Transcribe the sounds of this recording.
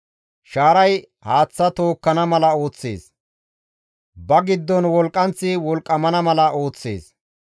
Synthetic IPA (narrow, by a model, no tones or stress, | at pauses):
ʃaːɾɐj | haːt͡sːɐt̪o̞ːkːɐnɐmɐlɐo̞ːt͡sːḛːs | bɐɡɪd̪ːɔnwɔlkʼːɐnt͡sːɪwɔlkʼːɐmɐnɐmɐlɐʔo̞ːt͡sːe̞̰ːs